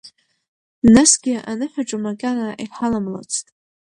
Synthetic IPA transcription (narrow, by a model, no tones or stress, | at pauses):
nasɡʲɪa̰nɨħʷᶣaʈ͡ʂʼamaɡʲʼanaʔiħalamla̰t͡sʰtʼ